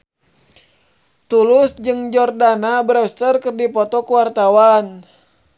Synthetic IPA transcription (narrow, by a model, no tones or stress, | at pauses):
t̪ulʊsd͡ʒɨŋd͡ʒɔrdanabɾɛst̪ərkɨrdipɔt̪ɔkuwart̪awan